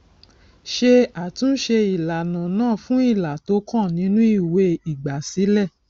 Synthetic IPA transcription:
ʃe˧a˨tũ˨˦ʃe˧i˨la˨nã˨nãː˦˨fũ˦i˦˨la˨to˨˦kã˦˨nĩ˨˦nũ˦i˦˨we˧i˨ɡ͡ba˨si˨˦lɛ˦˨

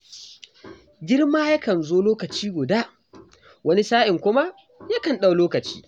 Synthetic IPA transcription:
ɡʲɪ˦rmaː˦ja˦kɐ˨nzoː˦loː˦kɐ˨t͡ʃiː˦ɡʷʊ˨daː˦ | wɐ˦ni˦saː˦ʔɪ˨ŋkʷʊ˦ma˦ | ja˦kɐ˨nɗa˦˨wloː˦kɐ˨t͡ʃi̥̰ː˦

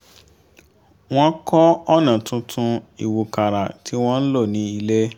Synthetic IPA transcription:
w̃ɔ̃˦kɔ˦ɔ˦˨nã˨tũ˧tʰũ˧i˨wu˨ka˨ɾa˨tʰi˨˦w̃ɔ̃˦n̩˦lo˦˨nĩ˨˦i˧le˦

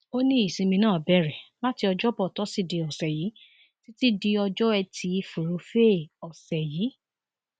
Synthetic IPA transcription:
o˦nĩ˦i˦˨sĩ˧mĩ˧nãː˦˨bɛ˦˨ɾɛ˨la˦ti˧ɔ˧d͡ʒɔ˦bɔ˦˨tɔ˨˦si˦˨di˨˧ɔ˨sɛ˨ji˨˦ | ti˦ti˦di˧ɔ˧d͡ʒɔ˦ɛ˧tʰi˧i˧fu˨ɾo˨˧fe˦˨ɔ˨sɛ˨jiː˨˦

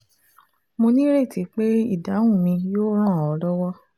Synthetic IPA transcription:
mo˧nĩ˦ɾe˦˨ti˨˧˦k͡pe˦ḭ˦˨da˨˦wũ˦˨mĩ˧joː˦ɾ̃ã˦˨ɔ˨˦lɔ˦wɔ˦

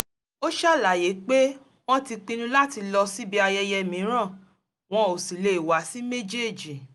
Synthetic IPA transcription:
o˦ʃa˦˨la˨je˨˦k͡pe˦ | w̃ɔ̃˦ti˧k͡pĩ˧nũ˦la˦ti˧lɔ˧si˦bi˦a˧jɛ˧jɛ˧mĩ˨˦ɾ̃ã˦˨ | w̃ɔ̃˧o˨si˨le˨wa˨˦si˦me˦d͡ʒe˦˨d͡ʒi˨

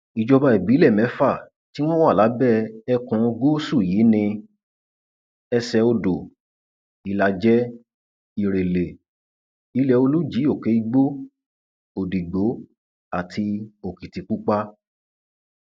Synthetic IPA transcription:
i˨d͡ʒɔ˧ba˧i˨bi˨˦lɛ˦˨mɛ̃˨˦fa˦˨ | ti˦w̃ɔ̃˦wa˦˨la˨˦bɛ˦˨ɛ˧kũ˧ɡo˦su˦˨jiː˨˦nĩ˧ | ɛ˧sɛ˧o˧do˨ | i˨la˧d͡ʒɛ˦ | i˧ɾe˨le˨ | i˧lɛ˧o˧lu˦d͡ʒi˨˦o˦˨ke˨˦i˦ɡ͡bo˦ | o˨di˨ɡ͡bo˨˦ | a˨tʰi˧o˨ki˨ti˨˦k͡pu˦k͡pa˦

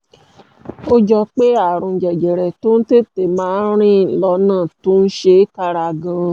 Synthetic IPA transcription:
o˦d͡ʒɔ˧k͡pe˦a˦˨ɾũ˧˨d͡ʒɛ˨d͡ʒɛ˨ɾɛ˨to˦n̩˦te˦te˨mãː˨˦ɾ̃ĩ˦˨lɔ˧˦nãː˦˨to˦n̩˦ʃe˧˦ka˧ɾa˧ɡã˧

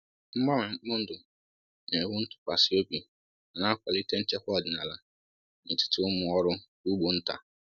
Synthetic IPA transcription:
m̩˦mã˦mɪ̃˨˦mʊ̃˦n̩˦dʊ̃˨ | nnɛ̃˨˦wʊ˦n̩˦tʰʊ̥˨ka˨sɪ˦e˦bi˨ | nã˨nã˦kʷa˨li˦tʰɛ̃˦n̩˦t͡ʃʰɛ˦hʊ˦a˨dɪ˨nã˨la˦ | nɪ̃˨tʰɪ̥˨tʰɪ˦wʊ˦mʊ̃˨ɔ˦ɾʊ˦ | u˦bo˨n̩˦tʰa̰˨

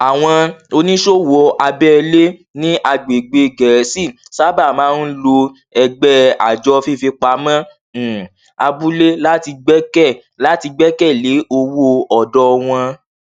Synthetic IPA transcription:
a˨w̃ɔ̃˧o˧nĩ˦ʃo˦˨wo˧ʔa˧bɛ˦˧le˦nĩ˦ʔa˧ɡ͡be˨ɡ͡be˧ɡɛ˨˦si˦˨sa˦ba˦˨mãː˨˦n̩˦lo˧ | ɛ˧ɡ͡bɛ˦a̰˨d͡ʒɔ˧fi˦˨fi˧k͡pa˧mã˦˨ | a˧bu˦le˦la˦ti˧ɡ͡bɛ˦kɛ˦˨ | la˨˦ti˧ɡ͡bɛ˦kɛ˦˨le˨˦o˧wo˦ɔ˨dɔ˧w̃ɔ̃˧

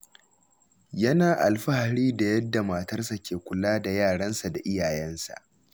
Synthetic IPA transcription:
jɐ˦naː˨ʔa˨lɸa˦ha˨ɽiː˦da˨jɐ˦dːa˨maː˨tɐ˦rsa˨kʲeː˨kʷʊ˨laː˦da˨jaː˦˨ɽɐ˦nsa˨da˨ʔɪ˦jaː˨jɐ˦nsa̰˨ʔ

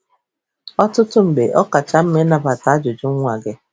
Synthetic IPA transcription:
ɔ˦tʊ˦tʊ˦m̩˨be˨ʔɔ˦ka˨t͡ʃa˦m̩˦me˦na˨pa˨ta˨˦a˦d͡ʒʊ˨d͡ʒʊ˦ŋ̩˦ŋʷa˨ɡɪ˦

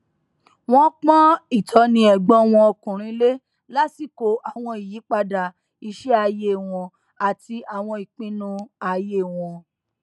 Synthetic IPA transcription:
w̃ɔ̃˦k͡pɔ̃˦i˦˨tʰɔ˨˦nĩ˧˦ɛ˨ɡ͡bɔ̃˦w̃ɔ̃˧ɔ˧kũ˨ɾ̃ĩ˨˦le˦ | la˦ti˨ko˨ʔa˨w̃ɔ̃˧i˨ji˨˦k͡pa˧da˨ | i˧ʃɛ˦a˧je˦˨w̃ɔ̃˧ | a˨ti˧a˨w̃ɔ̃˧i˨k͡pĩ˧nũ˧a˧je˦˨w̃ɔ̃˧

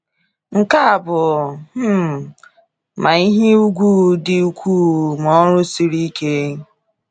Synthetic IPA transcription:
ŋ̩˨ka˦a˨bʊ˨m̩˦˨ | ma˨i˦ɦe˦u˦ɡʷuː˦dɪ˨u˦kʷuː˦˨mɔ˦ɾʊ˦si˨ɾi˦ke˦

